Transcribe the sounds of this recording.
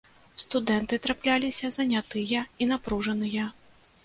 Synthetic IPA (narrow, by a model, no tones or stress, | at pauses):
st̪ud̪ɛnt̪ɨt̪ɾaplʲalʲisʲɐzɐnʲat̪ɨjɐinapɾuʐɐnɨjɐ